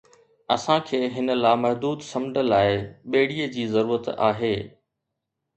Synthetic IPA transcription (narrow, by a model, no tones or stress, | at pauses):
ɐsãkʰeːɦɪnə̆laːmɐɦd̪uːd̪sɐ̃mdəlaːɪɓeːɽ̤iːəd͡ʑiːzɐɾuːɾət̪a̰ːɦeː